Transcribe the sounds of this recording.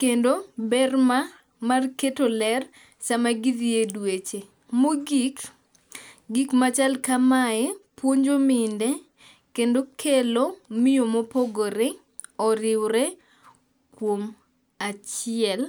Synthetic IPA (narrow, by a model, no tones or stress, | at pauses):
kendobɛrma | marketolɛr | samaɡiðiedwet͡ʃe | moɡik | ɡikmat͡ʃalkamaɛpwoɲd͡ʒomɪndɛ | kendokʰelomɪjomopoɡoɾe | ɔɾɪwɾɛ | kwom | at͡ʃɪɛl